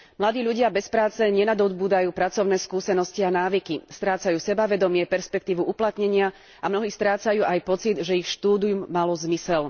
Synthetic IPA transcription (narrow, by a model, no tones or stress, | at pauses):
mlad̪iːʎuɟɪabɛspɾaːt͡sɛɲɛnad̪ɔd̪buːd̪ajuːpɾat͡sɔʊnɛːskuːsɛnɔscianaːʋikist̪ɾaːt͡sajuːsɛbaʋɛd̪ɔmɪɛpɛɾspɛk̚t̪iːʋuuplat̪ɲɛɲɪa | amnɔɦiːst̪ɾaːt͡sajuːʔajpɔt͡sid̪ʒɛixʃt̪uːd̪ijumːalɔzmisɛl